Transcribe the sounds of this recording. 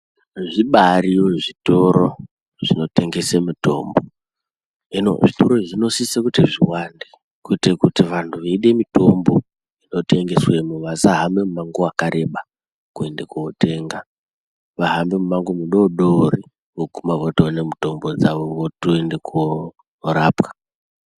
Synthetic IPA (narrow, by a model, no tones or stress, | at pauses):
ʐiɓaɾioʐito̞ɾo | ʐ̥ino̞te̞ŋɡesemuto̞̰ːmbo | ino̞̰ʐitoɾoʐino̞sisekuteʐiwande | kuitekutiʋantʰuʋeiɗe̞mito̞mbo̞ | ino̞te̞ŋɡe̞swe̞muʋasaɦambe̞mumaŋɡuakaɾe̞ɓa | kue̞nde̞kuote̞ŋɡa | ʋaɦambe̞mumaŋɡumuɗoɗoori | okumavotoone̞muto̞mbod͡zaʋoʋotoendekuo | ɾapkḁ